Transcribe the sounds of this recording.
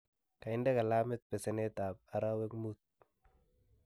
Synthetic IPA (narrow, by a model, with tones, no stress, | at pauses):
ka˨ɪ˦ndɛ˦ka˨lamɪt̪̚pɛ˨sɛnɛt̪a˨b̚a˦ɾa˦wɛ˦kmut̪̚